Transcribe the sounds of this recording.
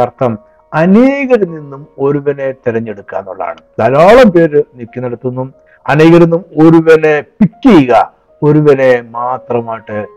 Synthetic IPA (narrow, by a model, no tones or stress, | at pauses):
ɐrt̪ʰɐm | ɐneːɣɐɾɐnːinːumo̞ɾuʋɐne̞t̪iɾɐɲːeɽukːa̰ːnːṵɭːa̰ːɳɨt̪ɐlaːɭɐmpe̞ːɾɨnikːinɐɽɐt̪ːunːum | ɐneːɣɐɾɐnːumo̞ɾuʋɐne̞pikːiɣɐ | o̞ɾuʋɐne̞maːt̪rɐmaːjiʈːɨ